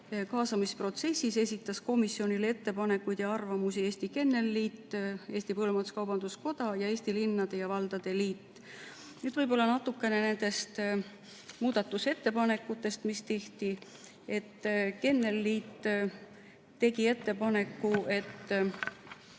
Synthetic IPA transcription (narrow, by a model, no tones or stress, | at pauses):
kɑːsɑmispro̞t̪se̞sːise̞s̬ʲit̪ːˑɑsko̞misːio̞nilee̞t̪ːe̞pɑne̞kːujd̪̥jɑɑrvɑmusie̞ːsʲt̪ike̞nːe̞lːiːt̪ːeːst̪ipɤlumɑt̪u̥skɑwbɑnd̪̥usko̞d̪̥ɑjɑe̞ːsʲt̪ilinːɑd̪̥e̞jɑvɑld̪̥ɑd̪̥e̞liːt̪ː | nyːd̪̥vɤjbo̞lːɑnɑt̪ːˑukːˑe̞ne̞ne̞nd̪̥e̞st̪ | muːd̪̥ɑt̪ːˑuse̞t̪ːe̞pɑne̞kːˑut̪ːˑe̞st̪mist̪e̞ht̪i | e̞t̪ːke̞nːe̞lːiːt̪ː | t̪ːe̞ɡie̞t̪ːe̞pɑne̞kːue̞t̪ː